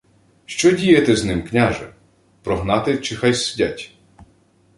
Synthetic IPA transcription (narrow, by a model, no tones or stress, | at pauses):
ʃt͡ʃɔdʲijɐt̪ɛznɪmknʲaʒɛ | pɾɔɦnɑt̪ɪt͡ʃɪxajsɪdʲatʲ